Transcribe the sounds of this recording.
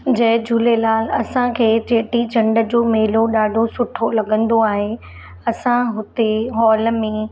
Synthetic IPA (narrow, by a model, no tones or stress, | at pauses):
d͡ʑɐɦɪd͡ʑʱulelaːlɐsãkʰeːt̪eːʈit͡ɕɐ̃ɳɖə̆d͡ʑoːmeɦɪloɗaːɖʱosʊʈʰolɐɡə̃nd̪oaːɦe | ɐsãɦʊt̪eɦɔːlmẽ